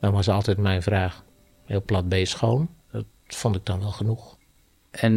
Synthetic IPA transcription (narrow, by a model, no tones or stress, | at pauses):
dɔnʋɔsəɑlˠtɛtmɛjnvraːx | hɪːlˠplat̚beːsxowndɔt | fontɪɡ̚dɔnʋɛlˠxənux | ɛn